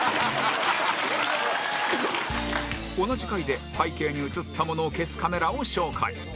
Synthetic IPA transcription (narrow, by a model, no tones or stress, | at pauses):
o̞naʑikaid̪e̞paike̞ːɲ̟iɯ̟t͡sɨt̪ʰːamo̞no̞ːke̞sɨ̥kame̞ɾao̞ɕo̞ːkʰa̰ḭ